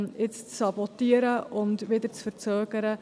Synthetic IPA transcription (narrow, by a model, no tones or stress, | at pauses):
nɪt͡st͡ssɑbɔtiəɾəʔʊntvidərt͡sfərt͡søːɡəɾə